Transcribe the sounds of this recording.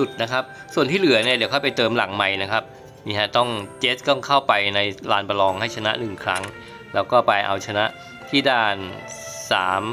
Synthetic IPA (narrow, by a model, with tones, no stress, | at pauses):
u˨˩t̪̚na˦˥kʰa˦˥p̚ | su˨˩ənt̪ʰiː˥˩lɯ˨˩˦ɐni˥˩ɐdi˨˦wkʰa˥˩pa˧jt̪ɤː˧mla̰˩˦ŋma˧jna˦˥kʰa˦˥p̚ | miː˧˩ɦa˧˩t̪ɔ˥˩ŋt͡ɕeː˦˥t̪̚t̪ɔ˥˩ŋkʰa˥˩wpa˧jna˧jlaː˧npa˧lɔː˧ŋha˥˩jt͡ɕʰa˧na˦˥nɯ˨˩ŋkʰɾa˦˥ŋ | lɛː˦˥wkɔː˥˩pa˧jʔa̰˧wt͡ɕʰa˧na˦˥ʔ | t̪ʰiː˥˩daː˥˩nsa̰ː˩˦m